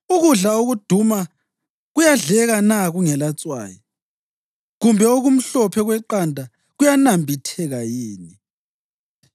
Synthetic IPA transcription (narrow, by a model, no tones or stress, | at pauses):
uɣuɮaoɣud̥ʱuma | ɣujaɮɛɣanaɣuŋɛlat͡sʼwa̰ːjɔ | ɣumbʱɛoɣum̩ɬɔpʰɛɣwɛǃandʱa | ɣujanambʱitʰɛɣajiːni